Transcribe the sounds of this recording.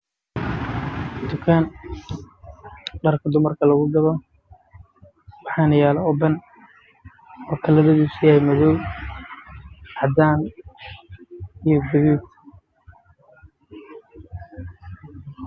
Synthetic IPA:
d̪̥ʊkʰaːn | ɖɐrkʰɐd̪ʊmɐrkʰɐlɐɣʊɡɐβɔ | wɑħɑːnɐjaːlɐɔbɐn | wɔkʰɐlɐðɐðusɪjajmɐðɔw | ʕɑd̪aːn | ijɔɡʊðuː

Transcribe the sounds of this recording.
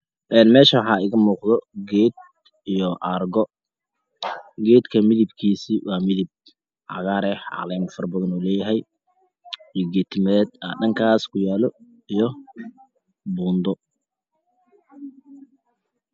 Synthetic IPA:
ʔɛːnmɛːʃɐwħɑːɪɣɐmuːqðɔɡɛd̪ | ijɔʔɑrɡɔ | ɡɛːd̪kʰɐmɪðɪb̚kʰiːsiːwɑːmɪðɪb̚ | ʕɑ̰ɣaːɾɛhʕɑ̰lɛːmfɐrbɐðɐnuːlɛːjɐɦɛj | ijɔɡɛːt̪ʰɪmɐðɛːd̪̚aːɖɐŋkʰaːskʰʊjaːlɔ | ijɔ | buːnd̪ɔ

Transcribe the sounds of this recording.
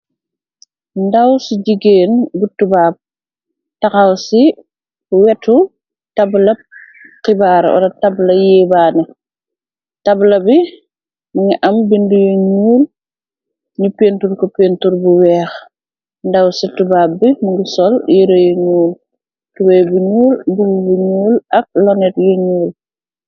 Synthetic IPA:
ndɐwsiɟiɡeːnbutubaːb̚ | tɐxɐwsi | wɛtu | tɐblɐp̚ | kibaːɾɔ̰ɾɐtɐblɐjɛːbaːnɛ | tɐblɐbi | muŋiʔɐmbindujuɲuːl | ɲupeːntuɾkɔpeːntuɾbuwɛːx | ndɐwsitːubabimuɡusɔljeɾɐjuɲuːl | tubɛjbuɲuːlbububuɲuːlɐk̚lɔnɛtjuɲuːl

